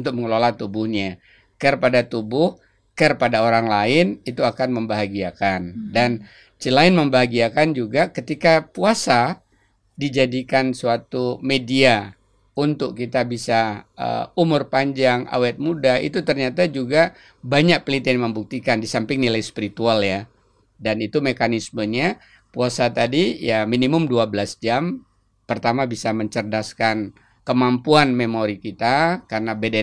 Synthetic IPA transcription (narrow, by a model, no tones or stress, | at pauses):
unt̪ʊk̚məŋəlolat̪ubʊhɲa | kərpadat̪ubʊh | kərpadaoɾaŋlaɪnit̪uakanməmbaɦaɡiakandan | t͡ʃilaɪnməmbaɦaɡiakand͡ʒuɡakət̪ikapuasa | did͡ʒadikansuat̪umedia | unt̪ʊk̚kit̪abisaə̰umʊrpaɲd͡ʒaŋʔa̰wɛt̪̚mudaḭt̪ut̪ərɲat̪ad͡ʒuɡa | baɲak̚plit̪anməmbuk̚t̪ikandisampɪŋnilajspiɾit̪ualja | danit̪umekanisməɲa | puasat̪adijaminimʊmduabəlasd͡ʒam | pərt̪amabisaməɲt͡ʃərdaskan | kəmampuanmemoɾikit̪akarnabedɛ